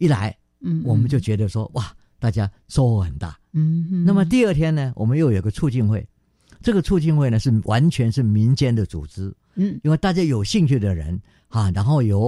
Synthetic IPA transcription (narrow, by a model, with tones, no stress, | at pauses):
i˥˩la˧˥ɪ | wɔ˨˩mə˦nt͡ɕjo˥˩ʊt͡ɕɥɛ˧˥d̪ə˧ʂwɔ˥wa˥˩ | t̪a˥˩t͡ɕja˥ | ʂo˥˧ʊxɔ˥˩xə˨˩nt̪a̰˥˩na˥˩mə˨˩t̪i˥˧ə˥˩t̪ʰjɛ˥nnə˨wɔ˨˩mə˦njo˥˩ʊjo˨˩˧ɡə˧ʈ͡ʂʰu˥˧t͡ɕi˥˧nxwe˥˩ɪ | ʈ͡ʂɤ˥˩ɡə˩t͡sʰu˥˧t͡ɕi˥˧nxwe˥˩ɪnə˩ʂɻ̩˥˩wʔa˧˥nt͡ɕʰɥɛ˧˥nʂɻ̩˥˩mi˧˥nt͡ɕjɛ˥nd̪ə˨t͡sṵ˨˩t͡sɻ̩˥ | nwe˥˧ɪt̪a˥˩t͡ɕja˥jo˨˩ʊɕi˥˧ŋt͡ɕʰy˥˩d̪ə˩ɻə̰˧˥n | ha˥˩ɻa˧˥nxo˥˩ʊjo˨˩ʊ